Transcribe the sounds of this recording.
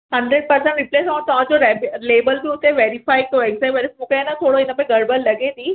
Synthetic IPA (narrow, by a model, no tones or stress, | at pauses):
ɦɐ̃ɳɖɾeɖ̚pɐɾsə̃ɳʈɾɪpleːsaãt̪ɐʋ̤ãd͡ʑoɾeleːbəlbiʊt̪eʋeːɾɪfaːɪk̚t̪oɛɡsajʋeːɾɪfmũːkʰenɐt̪ʰoːɽoɪnəpẽɡɐɾbəlːɐɡẽt̪iː